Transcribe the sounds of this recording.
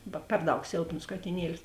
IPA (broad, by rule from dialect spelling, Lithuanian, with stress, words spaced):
ˈbɐ ˈpʲɛr ˌdɐʊk ˈsʲeːlˠpnoːs kɐtʲɪˈnʲiɛlʲɪs